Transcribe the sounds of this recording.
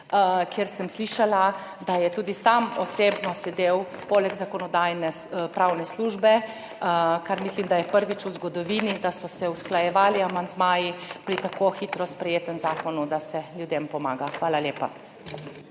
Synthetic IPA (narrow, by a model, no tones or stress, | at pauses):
kʰjeɾsəmsliʃala | d̪ajɛt̪uːd̪isamɔseːbnɔsɛd̪eːw | poːlɛɡzakɔnɔd̪aːjnɛ | pɾawnɛsluʒbɛ | kaɾmislimd̪ajɛpəɾʋit͡ʃuzɡɔd̪ɔʋiːnid̪asɔsɛusklajɛʋaːliamand̪maːjipɾit̪akoxit̪ɾɔspɾɛjeːt̪ənzaːkɔnud̪asɛljud̪empɔmaːɡaxʋaːlalʲjeːpa̰